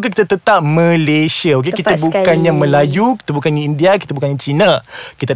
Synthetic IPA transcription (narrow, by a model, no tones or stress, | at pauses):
k̬ak̬it̪at̪ət̪ap̚mə̃lesiaok̬ekit̪abukkanɲãmə̃lajuki̥t̪abukandiindiakit̪abukaɲat͡ʃinãkit̪a